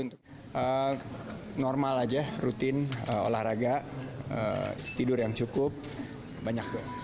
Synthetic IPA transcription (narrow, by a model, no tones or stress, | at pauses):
unt̪ʊk | ʔə | nɔrmalad͡ʒarut̪ɪnəo̰lahraɡaʔə̰t̪idʊrjaŋt͡ʃukʊp̚ | baɲak̚a